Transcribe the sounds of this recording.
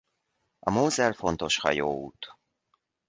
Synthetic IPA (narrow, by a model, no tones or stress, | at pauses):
ɒmoːzɛlfo̞nt̪o̞ʃhɒ̰joːṵːt̪